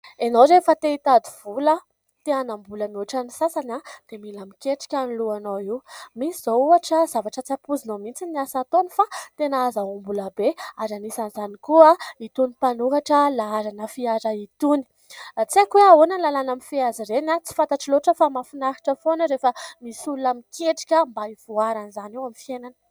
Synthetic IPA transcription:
enowɾefət̪eit̪ad̪iv̥ulə | t̪eanambulənuaʈ͡ʂanisasanad̪̥emilamikʲeʈ͡ʂi̥kʲanluanoiwmisizouaʈ͡ʂəzavaʈ͡ʂət͡sapuzinomint͡siniasat̪onifat̪enaazaumbuləbeaɾanisanzanikuait̪unipanukaʈ͡ʂəlaaɾanəfiaɾait̪uni̥ | t͡sekweaonanlalanamifiaziɾenat͡si̥fant̪aʈ͡ʂiloʈ͡ʂəfamafinaɦi̥ʈ͡ʂəfonəɾefəmisulunamikʲʰeʈ͡ʂi̥kʲəmbaiv̥uaɾanizaniwamifienanə̥

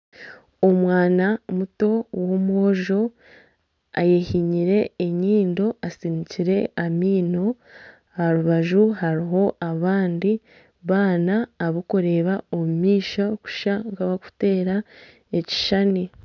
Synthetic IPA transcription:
o̞mwaːnamuto̞womuoʒo̞ | a̰jehiɲiɾe̞ːɲiːndo̞asiniciɾe̞amiːno̞ | aɾuβaʒuhaɾiɦo̞ʔaβaːndi | βaːnaːβukoɾe̞ːβaomumiːʃaku̥ʃaŋɡaβaku̥te̞ːɾa | eci̥ʃane

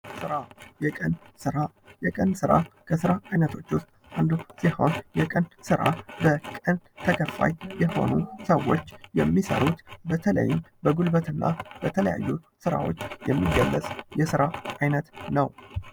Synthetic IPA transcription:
sɨɾajɛkʼən | sɨɾa | jɛkʼənsɨɾa̰kʰəsɨɾaajnət̪ʰo̞t͡ʃːʊst̪ʼ | ʔand̪usiho̞njɛkʼənsɨɾa̰bəkʼənt̪ʰəkʰəfːa̰jjɛho̞̰nusəwo̞t͡ʃːjɛmːisə̰ɾut̪bət̪ʰələ̰jːmbəɡulbət̪ʰɨnːa̰b̥ət̪ʰələ̰ja̰jːu | sɨɾa̰wo̞̰t͡ʃːjɛmːiɡəlːəsʼjɛsɨɾaʔajnət̪nəw

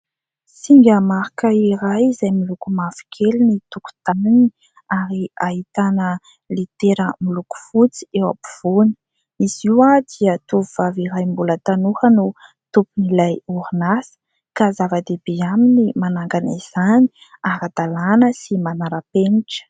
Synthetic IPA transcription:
siŋɡəmaɾikəiɾajizajmilukumafi̥kʰelinit̪uku̥t̪anini | aɾiahit̪anə | lit̪eɾəmiluku̥fut͡si̥ewa̰pi̥v̥oni̥ | iziwad̪iət̪uviv̥aviɾajmbulət̪anuhənu | t̪upunilajuɾunasə̥ | kazavəd̪ebeaminimanaŋɡana̰z̥ani̥ | aɾad̪̥alanəsimanaɾəpeniʈ͡ʂə̥

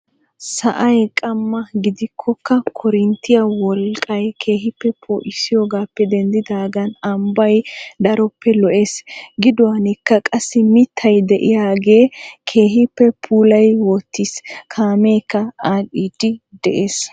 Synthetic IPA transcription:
sɐʔɐjkʼɐmːɐɡɪd̪ɪkʰːɔkːɐkʰɔɾɪnt̪ːɪjɐwɔlkʼɐjkʰe̞ːɦɪpːɛpʰo̰ːʔɪsɪjoːɡaːpːɛd̪ɛnd̪ɪd̪aːɡɐnɐmbɐjd̪ɐɾɔpːɛlɔʔe̞ːsɡɪd̪ɔwaːnɪkːɐkʼɐsːɪmɪt̪ʰːɐjd̪ɛʔɪjaːɡe̞ːkʰe̞ːɦɪpːɛpʰuːlɐjwɔt̪ːiskʰaːmeːkːɐaːɗiːd̪̥ɪd̪ɛʔeːs

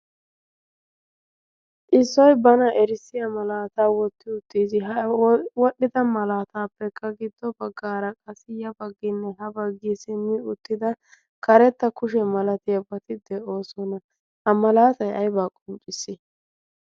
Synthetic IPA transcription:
ʔɪsːɔjbɐnɐʔɛɾɪsːɪjɐmɐlaːt̪aːwɔt̪ːɪʊt̪ːiːsɪɦɐwɔɗːɪd̪ɐmɐlaːt̪aːpːɛkːɐɡɪd̪ːɔbɐɡːaːɾɐkʼɐsɪjɐbɐɡːɪnːɛɦɐbɐɡːiːsɪmːɪʊt̪ːɪd̪ɐ | kɐɾɛt̪ːɐkʊʃ̬ɛmɐlɐt̪ɪjɐbɐt̪ɪd̪ɛʔo̞ːsɔnɐ | hɐmɐlaːt̪ɐjɐjbaːkʼɔnt͡ʃʼɪsːɪ

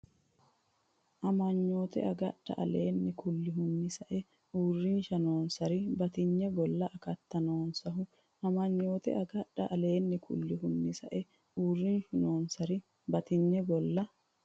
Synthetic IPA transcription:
ʔɐmɐɲːo̞ːt̪ɛ̰ɐɡɐᶑɐ̰ʔɐ̰lḛːnːɛkʰʊlːɪɦʊnːɪsɐʔɛ | uːrːiːnʃɐnoːnsɐɾɪbɐt̪ɪɲːɛɡɔlːɐʔɐkɐt̪ːɐnoːnsɐɦʊ | ʔɐmɐɲːo̞ːt̪ɛ̰ʔɐɡɐᶑɐʔɐle̞ːnːɛkʰʊ̰lːɪɦʊnːɪsɐʔɛ | uːrːiːnʃʊno̞ːnsɐɾɪ | bɐt̪ɪɲːɛɡɔlːɐ

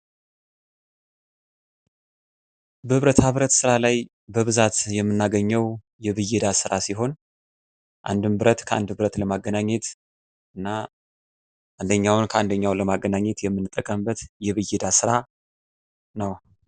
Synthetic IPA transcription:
bəhɨβɾət̪aβɨɾət̪sɨɾalaj | bəβɨzat̪jɛmːɨnːaɡəɲːəw | jɛβɨjːɛd̪asɨɾasiɦo̞n | ʔa̰nd̪ɨmbɨɾət̪kʰəʔa̰nd̪bɨɾət̪ləmaɡːənaɲːɛt̪ | ʔɨnːa | ʔand̪əɲːawnkʰəand̪əɲːawləmaɡːənaɲːɛt̪jɛmːɨnɨt̪ʼːəkʼəmbət̪jɛβɨjːɛd̪asɨɾa | nəw

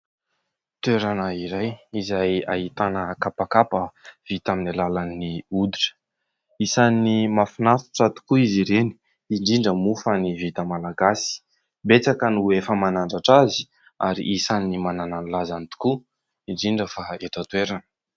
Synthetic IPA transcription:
t̪weɾanəiɾajizaja̰ɦit̪anəkapakapəv̥it̪aminilalanːiud̪iʈ͡ʂə̥ | isanimafinafu̥ʈ͡ʂat̪u̥kuiziɾeni̥ | iɳɖ͡ʐiɳɖ͡ʐəmufənivit̪əmalaɡasi̥ | bet͡sakənuefəmanaɳɖ͡ʐaʈ͡ʂazi̥ | a̰ɾḭʔisanimanananulazant̪u̥ku | iɳɖ͡ʐiɳɖ͡ʐəfaeʈ͡ʂət̪weɾanə̥

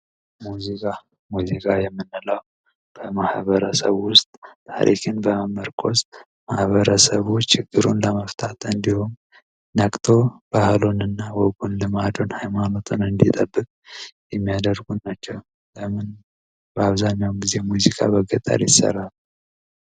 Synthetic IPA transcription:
muzikʼa | muzikʼajɛmːɨnːɨlaw | b̥əmahβəɾəsə̰βwʊst̪ʼt̪ʰːa̰ɾʔḭkʰɨnbəməɾkʰo̞st̪ | mahβəɾəsəβut͡ʃɪɡːɨɾunləməft̪ʰat̪ɨnd̪ihon | nakʼt̪ʰo̞b̥ahlonɨnːawɔɡonlɨmad̪o̞nhajmano̞t̪ʰunɨnd̪it̪ʼəbːɨkʼjɛmːijad̪əɾɡunnat͡ʃːɛw | ləmɨn | bəaβzaɲːawmɡize̞muzikʼa̰bəɡət̪ʼa̰ljɪsə̰rːalu

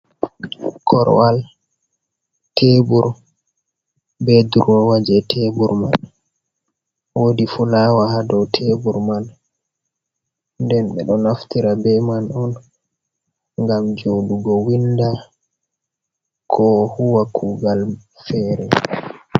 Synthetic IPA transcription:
kʰɔ̰ɾwal | tʰebuɾ | bɛduɾwɔwad͡ʒɛtʰebuɾma̰n | wodifulawahadɔwtʰebuɾman | ndɛnɓɛ̰ɗɔnaftiɾabɛmanɔn | ŋɡamd͡ʒoduɡɔwinda | kʰɔhuwakʰuːɡal | fɛɾɛ

